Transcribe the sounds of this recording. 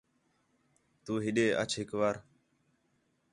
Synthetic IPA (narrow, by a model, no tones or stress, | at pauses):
t̪uːɦɪɗeːʔə̰t͡ʃʰɦɪkʋaːɾ